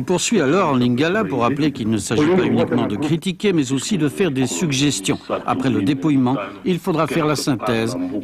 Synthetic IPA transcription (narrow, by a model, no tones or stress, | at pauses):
puʁsɥialɔʁɑ̃liŋɡalapuʁːaplekilnəsaʒipaynikmɑ̃d̪əkχit̪ikʲemɛzosid̪əfɛʁd̪esyɡʒɛst̪jɔ̃a̰pχɛləd̪epujmɑ̃ilfod̪ʁafɛʁlasɛ̃t̪ɛz